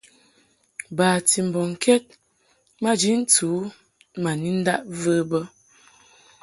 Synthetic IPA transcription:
baː˨ti˨m̩˨bɔ˨ŋ̩˨kɛ˦t̚ | ma˦d͡ʒi˦n̩˦tuː˨˦ | ma˨ni˦n̩˦da˦ʔvəː˦bə˦

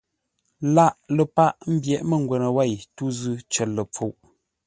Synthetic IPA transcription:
la˦˨ʔlə˨pa˦ʔm̩˦bjɛ˨ʔmə˦˨ŋ˦ɡwɛ˨nə˨wa˦˨jtu˦zʉ˦t͡ʃə˨lə˨p͡fo˨ʔ

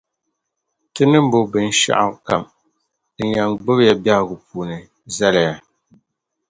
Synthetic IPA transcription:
tɨ˦nɨ˦m˦bo˨bɨ˨n˨˦ʃa̰˦ʔa̰˨˦ka̰˨m | dɨ˨ɲa˨ŋɡ͡bɨ˦bja˨ba˦˨ɡʊ˨puː˨nɨ˨ | za˦la˨ja˨

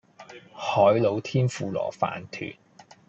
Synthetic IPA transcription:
hɔː˨˥jlo˨˧wt̪ʰiː˥nfuː˨˧lɔ̰ː˨˩fa̰ː˨˩nt̪ʰy̰ː˨˩n

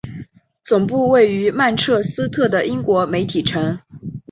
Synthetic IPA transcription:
t͡sʊ˨˩ŋpu˥˧we˥˩ɪy˧˥ma˥˧nʈ͡ʂʰɤ˥˩sɹ̩˥t̪ʰɤ˥˩d̪ə˩ʔi˥ŋkwɔ˧˥me˧˥ɪt̪ʰi˨˩ʈ͡ʂʰɤ˧˥ŋ

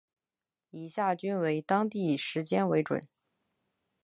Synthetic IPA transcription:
i˨˩ɕja˥˩t͡ɕy˥nwe˧˥ɪt̪ɑ˥ŋt̪i˥˩ʂɻ̩˧˥t͡ɕjɛ˥nwe˧˥ɪʈ͡ʂwə̰˨˩˦n

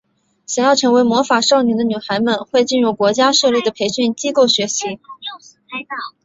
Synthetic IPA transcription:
ɕjɑ˨˩ŋjɑ˥˩ʊʈ͡ʂʰɤ˧˥ŋwe˧˥ɪmwɔ˧˥fa˨˩ʂɑ˥˩ʊni˧˥d̪ə˧ny˨˩xa˧˥ɪmə˧nxwe˥˧ɪt͡ɕi˥˧nɻu˥˩kwɔ˧˥t͡ɕja˥ʂɤ˥˧li˥˩d̪ə˩pʰe˧˥ɪɕy˥˩nt͡ɕi˥ko˥˩ʊɕɥɛ˧˥ɕi˧˥

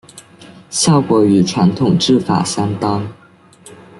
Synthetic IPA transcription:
ɕjɑ˥˩ʊkwɔ˧˥y˨˩ʈ͡ʂʰwa˧˥nt̪ʰʊ˨˩ŋʈ͡ʂɻ̩˥˩fa̰˨˩ɕjɑ˥ŋt̪ɑ˥ŋ

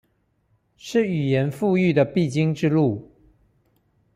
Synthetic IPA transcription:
ʂɻ̩˥˩y˨˩jɛ˧˥nfu˥˧y˥˩d̪ə˨pi˥˩t͡ɕi˥ŋʈ͡ʂɻ̩˥˧lu˥˩

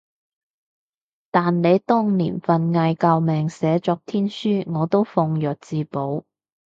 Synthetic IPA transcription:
t̪aː˨nle˨˧jt̪ʊ˥ŋnlḭː˨˩nfɐ˨nŋaː˧jkaː˧wmɛː˨ŋsɛː˨˥t͡ʃɔː˧k̚t̪ʰiː˥nsyː˥ŋɔː˨˧t̪o˥wfʊ˧ŋjœː˨t̚t͡siː˧po˨˥w

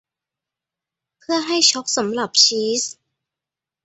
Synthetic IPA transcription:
pʰɯ˥˩ɐɦa˥˩jt͡ɕʰɔ˦˥k̚sa˩˦mɾa˨˩p̚t͡ɕʰiː˦˥s

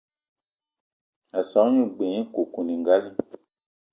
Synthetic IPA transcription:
a˨sɔ̃˨˦ɲũ˦˨ɡ͡bẽ˨ĩ˦ko˨kũ˨nĩ˨ŋɡa˦li˦

